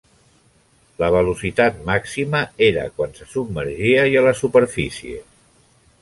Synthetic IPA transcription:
ləβ̞əlusit̪at̪maksiməeɾə̰kwansəsubməɾʒiəjələsupəɾfisiḛ

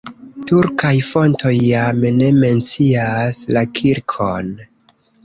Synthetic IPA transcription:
tuɾkajfo̞ntʰo̞jːamne̞me̞nt͡siaslakʰiɾkʰo̞n

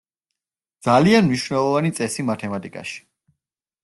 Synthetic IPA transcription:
d̪z̥alianmniʃvnɛlˠɔvanit̪sʼɛsimat̪ʰɛmat̪ʼikʼa̰ʃi̥

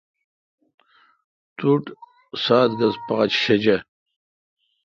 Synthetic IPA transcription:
t̪uʈ | saːt̪ɡɐzpaːt͡ɕɕed͡ʑɐ

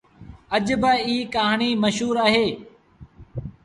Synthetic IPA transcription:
əʄbəiːkaːɦɳiːməʃɦuːɾaːɦeː

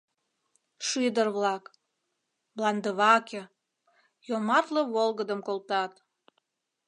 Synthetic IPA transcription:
ʃyd̪ərβlɑk | blɑnd̪əβɑkʲe | jomɑt̪ləβolɣəd̪əmkolˠt̪ɑt̪

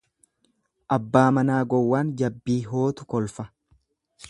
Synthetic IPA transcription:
ʔɐbːaːmɐnaːɡɔwːaːnd͡ʒɐbːiːɦoːt̪ʊkɔlfɐ

